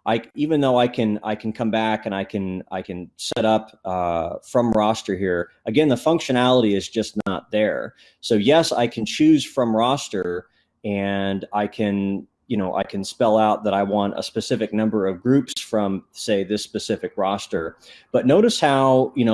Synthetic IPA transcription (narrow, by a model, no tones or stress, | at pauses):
ʔaɪivɨ̃nðoʊaɪkʰɨ̃na̰ɪkʰn̩kʰʌ̃mbækɨ̃ñaɪkʰɨ̃na̰ɪkʰɨ̃nsɛɾʌpʌfɹʌ̃mɹɑstə˞hiɹʔɨɡɛ̃nðəfʌ̃ŋkʃɨñælˠəɾiɨzd͡ʒʌsⁿnə̰t̪̚ðə˞ | soʊjɛsa̰ɪkʰɨ̃n̩t͡ʃʰʉz̥fɹʌ̃mɹɑstə˞ | ɨ̃naɪkʰɨ̃n | jɨñoʊʔa̰ɪkʰɨ̃nspɛlˠaʊt̪̚ðəɾaɪwɑ̃ntə̰spɨsɪfɨk̚nʌ̃mbə˞ʌvɡɹʉpsfɹʌ̃mseɪðɪspɨsɪfɨkɹɑstə˞b̥ʌtⁿnoʊɾɨshaʊjɨñoʊ